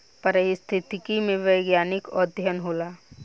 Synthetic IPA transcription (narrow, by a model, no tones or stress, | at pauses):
pəɾəɦist̪ʰɪt̪ɪkimẽʋəjɡjaːnɪkɔːɾd̪ʱjənɦoːlaː